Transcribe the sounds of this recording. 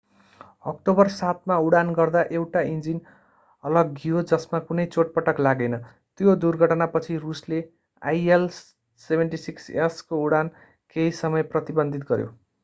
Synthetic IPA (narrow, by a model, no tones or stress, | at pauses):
ʌk̚ʈobʌrsat̪̚mauɽanɡʌrd̪aʔewʈaind͡zin | ʌlʌɡːijod͡zʌsmakunʌjt͡soʈ̚pʌʈʌklaɡʌjnʌ | t̪jod̪urɡʱʌʈʌnapʌt͡sʰirusle | a̰jel | sebʱenʈisikseskouɽan | keisʌmʌjprʌt̪ibʌnd̪ʱit̪̚ɡʌɾjo̰